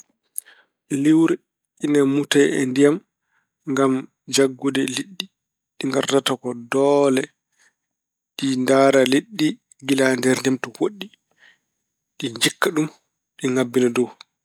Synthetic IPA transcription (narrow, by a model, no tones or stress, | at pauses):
liwɾɛ | ʔinamutajɛ̰ndijam | ŋɡam | d͡ʒaɡːudɛliɗːi | ɗiŋɡa̰ɾtatakɔdɔlɛ | ɗindaːɾaliɗːi | ɡilandɛɾndɛmtɔwoɗːi | ɗiɲd͡ʒikːaɗum | ɗiŋabːinadɔw